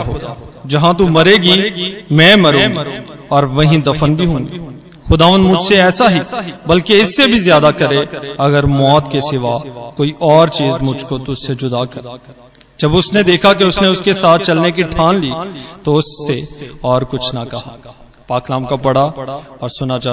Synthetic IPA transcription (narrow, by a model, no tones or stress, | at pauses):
ɦoːɡad͡ʒɐɦãt̪̬umɐɾeːɡimɛ̃ːmɐɾũːɡ | ɔːɾʋɐɦĩd̪ɐfənbʱiɦũːɡi | xʊd̪aːʋənd̪mʊd͡ʒʱseɛːsaɦibɐlkeɪsːebʱizjaːd̪akɐɾeɐɡəɾmɔːt̪kesɪʋakoːiʔɔːɾt͡ʃiːzmʊd͡ʒʱkot̪ʊsːed͡ʒʊd̪akɐɾa | d͡ʒɐbʊsned̪eːkʰakeʊsneʊskesaːt̪̚ʰt͡ʃɐlnek̬iʈʰaːnliːt̪oʊsːeɔːɾkʊt͡ʃʰnakɐɦa | paːklaːmkabɐɽaɔːɾsʊnad͡ʒaː